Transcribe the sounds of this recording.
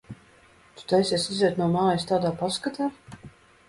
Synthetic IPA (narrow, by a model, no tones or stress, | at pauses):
t̪u̥t̪ajsɛsizɛːt̪nuɔmaːjist̪aːd̪aːpaskat̪aː